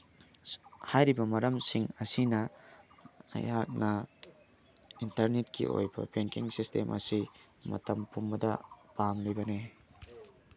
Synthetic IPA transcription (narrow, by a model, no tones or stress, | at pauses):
hajɾibɐmɐɾɐmsiŋɐsinɐ | ɐ̰jak̚nɐ | intɐɾnet̚kḭʔo̰jbɐ̰peŋkiŋsistʰemʔɐ̰si | mɐ̰tɐmpʰumbɐdɐpamlujbɐne